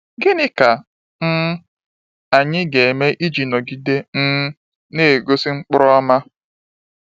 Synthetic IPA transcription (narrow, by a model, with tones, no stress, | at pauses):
ɡɪ˦nɪ˦ka˨ | n̩˦ | a˨ɲɪ˦ɡe˨me˦ʔi˦d͡ʒi˨nɔ˨ɡi˨de˦n̩˦ | ne˦˨ɡo˦si˦ŋ͡m̩˦k͡pʊ˦ɾɔ˦ma˦